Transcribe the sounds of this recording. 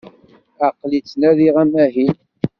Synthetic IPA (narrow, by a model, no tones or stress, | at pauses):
æqːlit͡sːnæðiʁæmæɦin